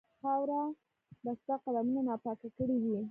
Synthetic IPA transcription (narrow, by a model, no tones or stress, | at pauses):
xawɾa | d̪ast̪aqad̪amunanɑpɑkakəɽiwi